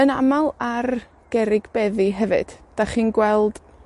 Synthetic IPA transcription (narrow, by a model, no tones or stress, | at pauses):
ənamalˠar | ɡ̥ɛɾɪɡbɛðiɦɛvɨ̰d̥d̥aχiːnɡwɛlˠd̥